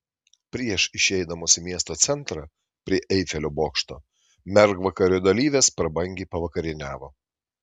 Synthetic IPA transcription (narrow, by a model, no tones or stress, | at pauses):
pʲɾʲiɛʃɪʃʲɛɪd̪ɐmoːsʲɪmʲiɛst̪oːt̪sʲɛnˑt̪ɾɑː | pʲɾʲiɛʔɛɪfʲɛlʲoːboːkʃt̪o̰ː | mʲɛɾɡʋɐkɐɾʲuːd̪ɐlʲiːʋʲeːspɾɐbɐŋʲɡʲeːpɐʋɐkɐɾʲɪnʲæːʋoː